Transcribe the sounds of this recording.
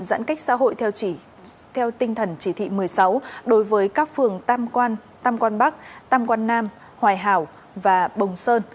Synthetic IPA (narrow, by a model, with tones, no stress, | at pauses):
zə̰ː˧˥nka˦˥jk̟̚sa̰ː˧˥ɦo̰˧˨jt̪ʰɛ˧w | t̪ʰɛ˧wt̪ï˧ŋt̪ʰə˨˩nt͡ɕi˧˩t̪ʰḭ˧˨mɨ˨˩əjsa˨˦wɗo˨˦jvəː˨˦jkaː˦˥k̚fɨ˨˩əŋː˧nt̪aː˧mkwaː˧nɓa˦˥k̚t̪aː˧mkwaː˧nːaː˧m | hwaː˨˩jɦaː˧˩w | vaː˨˩ɓə˨˩wŋ͡msəː˧n